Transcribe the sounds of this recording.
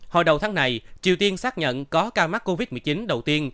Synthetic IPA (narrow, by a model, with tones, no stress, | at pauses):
ho˧˩jɗə˨˩wt̪ʰaː˨˦ŋna˨˩jt͡ɕḭ˨˩əwt̪i˧ənsaː˦˥k̚ɲə̰˧˨nkɔ˨˦kaː˧wma˦˥k̚kːo˧vi˦˥t̚mɨ˨˩jt͡ɕi˨˦nɗə˨˩wt̪i˧ən